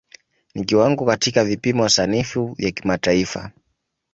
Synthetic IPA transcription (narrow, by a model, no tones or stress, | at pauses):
nikiwaŋɡɔkatikavipimɔwasanifuvjakimataifa̰